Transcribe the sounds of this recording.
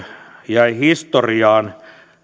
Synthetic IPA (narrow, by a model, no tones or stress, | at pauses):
jæihist̪oriɑːn